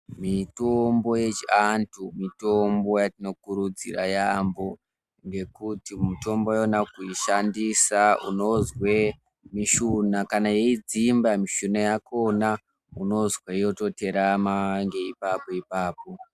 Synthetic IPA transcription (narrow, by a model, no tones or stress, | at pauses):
mitombo̞je̞t͡ʃiantʰumito̞mbo̞jatino̞kuɾud͡zḭrajambo̞ | ŋɡe̞kutimuto̞mbojonakuiʃandisaṵno̞zwe | miʃunakanaje̞id͡zimbamiʃunajako̞na | uno̞zweijo̞to̞te̞ɾamaŋɡe̞ipapoipaːpo̞